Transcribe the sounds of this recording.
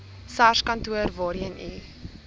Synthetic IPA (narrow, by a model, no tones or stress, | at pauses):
saʃkɐntuərvɔːɾiənʔi